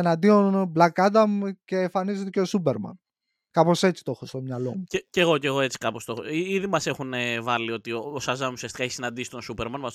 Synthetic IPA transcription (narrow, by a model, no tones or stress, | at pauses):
enɐnd̪io̞nblɐkɐt̪̬ɐmuce̞ːɱfɐnize̞t̪e̞ceosup̬eɾmɐ̰n | kɐpose̞t͡si̥t̪o̞xost̪o̞mɲɐlo̞̰muceceɣo̞ce̞ɣoe̞t͡si̥kɐpo̞st̪oxoiiðimɐse̞xunevɐlio̞t̪ioosɐzɐmusiɐst̪ikɐeçisinɐnd̪isi̥t̪o̞nsupe̞ɾmɐnmɐ